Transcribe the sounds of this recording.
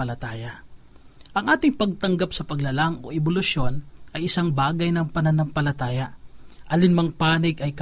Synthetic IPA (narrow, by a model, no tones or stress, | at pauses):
ɐlɐt̪aːjɐ | ʔɐŋʔaːt̪ɪŋpɐɡ̚t̪ɐŋɡapsɐpɐɡlɐlaŋo̞̰ʔɛbʊlʊsjo̞nʔɐjʔɪsaŋbaːɡɐjnɐŋpɐnɐnɐmpɐlɐt̪aːjɐʔɐlɪnmɐŋpaːnɪɡɐjk